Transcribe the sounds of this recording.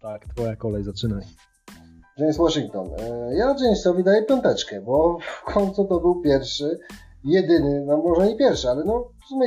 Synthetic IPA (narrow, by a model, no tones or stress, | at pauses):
t̪akt̪fɔjakɔlɛjzat͡ʂɘnaj | ʈ͡ʂɛɲɕt̪wɔʂiŋk̚t̪ɔnjat͡ʃɛɲɕsɔvʲid̪ajɛpʲjɔnt̪ɛt͡ʂkɛbɔfkʰɔnʲt̪sut̪ɔbɘwpʲjɛɾfʂɘ | jɛd̪ɘnɘnamːɔʐɛɲipʲjɛɾfʂɘalɛnɔ | mɘ